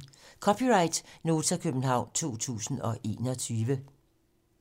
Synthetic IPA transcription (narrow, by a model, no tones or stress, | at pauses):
kʰɒpʰiʁɑ̈ɪd̥no̝ːt͡sʰɐkʰøb̥n̩ɦɑ̈ʊ̰nt͡sʰo̝̰ːt͡sʰṵːsn̩ɒ̽ʔe̝̰ːnɒt͡sʰyːʋə